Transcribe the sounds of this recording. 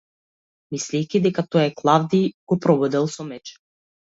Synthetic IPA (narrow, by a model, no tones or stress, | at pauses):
mislɛjkʲid̪ɛkat̪ɔjɛklˠavd̪iɡ̥ɔpɾɔbɔd̪ɛlˠsɔmɛt͡ʃɛ̥